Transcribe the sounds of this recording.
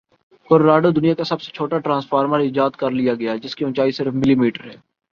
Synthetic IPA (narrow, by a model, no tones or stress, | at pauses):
koːɾːaːɖod̪ʊnijakasɐbse̥t͡ʃʰoːʈaʈɾãːnsfʰaːɾməɾɪd͡ʒaːt̪̚kɐɾlijaɡɐjad͡ʒɪskiʊ̃nt͡ʃaːisɪɾfmɪliːmiːʈəɾɦɛː